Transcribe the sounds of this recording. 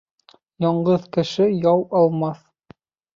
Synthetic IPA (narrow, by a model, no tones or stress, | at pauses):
jɑɴɢɤðkɘ̆ʃɘjɑwɑlˠmɑθ